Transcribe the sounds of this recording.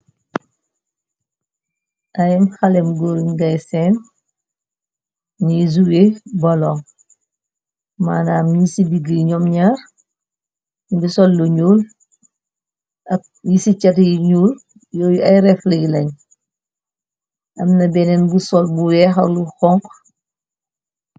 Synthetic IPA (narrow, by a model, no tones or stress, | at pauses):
ʔɐjɛmxɐlɛmɡoɾinɡɐjsɛn | nizuwebɐlɔŋ | manaːmjisibiɡiɲɔmɲaɾ | bisɔlːuɲuːl | ɐ | jisit͡ʃɐtjiɲuːl | jɔːjɐjɾɛflɐɡlɐɲ | ʔɐmnɐbɛnɛnbusɔlbuwɛːxɐluxɔŋk